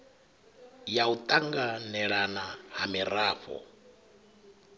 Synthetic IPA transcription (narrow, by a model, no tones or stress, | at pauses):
jaut̪ʼaŋɡanɛɺanahamiɾaːɸɔ̰